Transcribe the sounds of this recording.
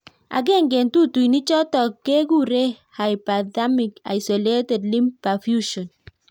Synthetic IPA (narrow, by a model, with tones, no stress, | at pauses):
a̰˨ɡe˦˨ŋ̩˦ɡe˨n̩˨tu˦tu˨i˨ni˦t͡ʃɔ˦tɔ˨kːe˦ɡu˦ɾe˦ | ha˨i˨pa˨da˦mi˨ka̰˨i˨so˨le˦te˨dli˦mpa˨fju˦ʃo˨n